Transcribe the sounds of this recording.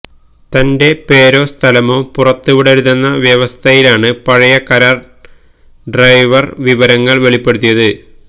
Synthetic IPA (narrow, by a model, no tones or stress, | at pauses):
t̪ɐnde̞pe̞ːɾo̞ːst̪ʰɐlɐmoːpurɐt̪ːuʋiɽeɾuðenːɐʋjɐʋɐst̪ʰɐjilaːɳɨpɐɻɐjɐkɐɾaːr | ɖrɐjʋɐrʋiʋɐɾɐŋːɐɭʋe̞ɭipːe̞ɽut̪ːijɐðɨ